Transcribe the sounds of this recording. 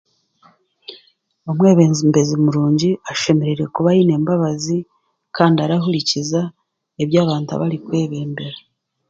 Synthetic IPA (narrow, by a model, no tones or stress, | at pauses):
o̞mwe̞ːβe̞ːnzimbe̞zimuɾuːɲɟiaʃe̞me̞ɾiɾe̞kuβajine̞ːmbaβazi | kaːndiaɾaɦuɾiciza | eβjaːβaːntua̰βaɾikwe̞ːβe̞ːmbe̞ɾa